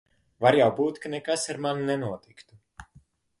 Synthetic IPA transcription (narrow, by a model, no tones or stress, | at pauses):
vaɾjawbuːt̪kanekasaɾmannɛnuɔt̪ikt̪u